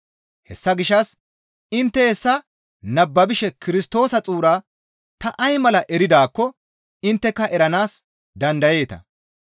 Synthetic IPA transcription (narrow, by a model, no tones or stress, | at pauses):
hɛsːɐɡɪʃːɐs | ɪnt̪ːɛhɛsːɐ | nɐbːɐbɪʃɛkɪɾɪst̪o̞ːsɐt͡sʼuːɾaː | t̪ɐʔɐjmɐlɐʔɛɾɪd̪aːkːɔ | ɪnt̪ːɛkːɐʔɛɾɐnaːs | d̪ɐnd̪ɐje̞ːt̪ɐ̰